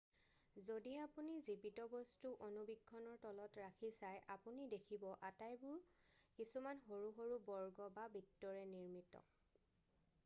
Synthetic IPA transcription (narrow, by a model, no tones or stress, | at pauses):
zodiapunizibitɔbɔstuʔonubiɡʱːɔnɔɹtɔlɔtɹakʰisajʔapunidekʰibɔʔatajbʊɹ | kisumanxoɹuɦoɹubɔɹɡɔbabitːɔɹɛniɹmitɔ̰